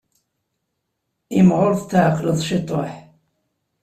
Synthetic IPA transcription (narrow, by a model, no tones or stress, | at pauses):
imʁʊɾθt̪ːaʕəqːləðˤʃit̪ˤo̰ħ